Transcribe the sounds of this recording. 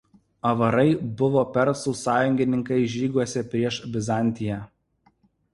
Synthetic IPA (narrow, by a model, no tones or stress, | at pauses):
ɐʋɐɾɐɪbʊʋoːpʲɛɾsuːsɑːjʊŋʲɡʲɪnʲɪŋkɐɪʒʲiːɡuɔsʲɛpʲɾʲiɛʃbʲɪzɑˑnʲˑt̪ʲɪjæː